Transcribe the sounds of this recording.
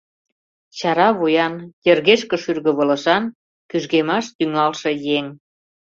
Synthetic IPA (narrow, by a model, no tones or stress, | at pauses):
t͡ɕɑɾɑβujɑnjerɣeʃkə̆ʃyrɣə̆βə̆lə̆ʃɑn | kyʒɣemɑʃt̪yŋɑlʃĕjeŋ